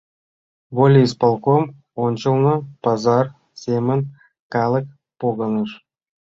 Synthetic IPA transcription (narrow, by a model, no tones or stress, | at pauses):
volʲispɑlˠkom | ont͡ɕə̆lˠnɤpɑzɑr | sʲemɘ̆nʲ | kalˠək̚ | poɣɑnɤʂ